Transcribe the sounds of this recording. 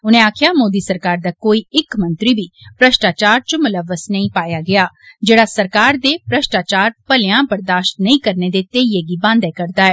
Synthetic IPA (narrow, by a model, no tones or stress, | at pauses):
ʊnẽːaːkʰɪjaːmoːd̪iːsəɾkaːɾd̪aːkoːiːɪkmə̃nt̪ɾiːbiːpɾəʃʈaːt͡ʃaːɾt͡ʃʊmʊləʋːəsnəĩpaːjaːɡɪaː | d͡ʒeːɽaːsəɾkaːɾd̪eːpɾəʃʈaːt͡ʃaːɾpəlejãːbəɾd̪aːʃt̪nəĩkəɾneːd̪eːt̪eːieːɡiːbãːnd̪ɛːkəɾd̪aːɛː